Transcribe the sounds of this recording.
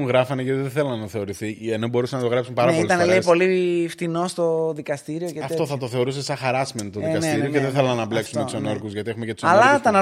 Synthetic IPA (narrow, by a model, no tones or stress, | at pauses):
ŋɣɾɐfɐneʝɐt̪iðeθelɐnnːɐθe̞o̞ɾiθieno̞bo̞ɾusenɐt̪oɣɾɐpsumepɐɾɐoilt̪ɐneleipo̞lift̪ino̞st̪o̞ðikɐst̪iɾioceɐft̪o̞θɐt̪o̞θe̞o̞ɾus̬esɐxɐɾɐsment̪oðikɐt̪iɾiokeðeθelɐnːɐble̞kksummet̪usonoɾkuzʝɐt̪iexumecet̪usɐllɐt̪ɐnɐ